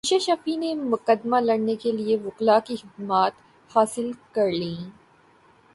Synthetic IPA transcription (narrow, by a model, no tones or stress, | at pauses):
ʃaʃafinemʊqəd̪ːmalɐɽnekelieʋʊqlakixɪd̪maːt̪ | haːsɪlkɐɾlĩː